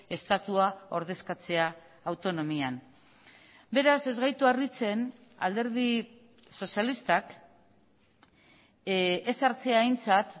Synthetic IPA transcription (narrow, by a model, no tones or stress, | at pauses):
e̞st̪at̪uao̞ɾð̞e̞skat͡se̞aː | wt̪o̞no̞mian | be̞ɾase̞zɣajt̪uarit͡se̞na̰ld̪e̞ɾði | so̞sialist̪ak | esaɾt͡se̞aːjnt͡sat̪